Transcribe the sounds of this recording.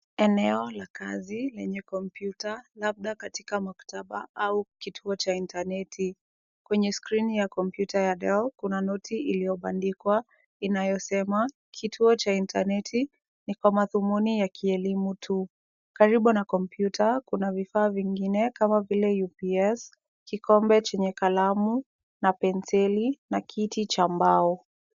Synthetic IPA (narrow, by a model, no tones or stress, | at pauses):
ɛnɛɔlakazilɛɲɛkɔmpjutalab̚ɗakati̥kamakḁtʰaɓa̰aukitʰuɔt͡ʃaintanɛtʰi | kwɛɲɛskɾinijakɔmpjutajaɗɛlkunanɔtʰiilijɔɓandikwa | inajɔsɛma | kʰitʰuɔt͡ʃaintʰa̰nɛtʰi | nikwamaðumunijakʰiɛlimutʰu | kaɾiɓunakɔmpʰjutʰakunavifaːviŋɡinɛkamavilɛjupiɛs | kikɔmbɛt͡ʃɛɲɛkalamu | napɛnsɛlinakʰitit͡ʃambaɔ